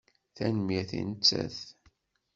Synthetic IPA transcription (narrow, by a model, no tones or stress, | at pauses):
θænəmjiθḭnət͡sːæ̰θ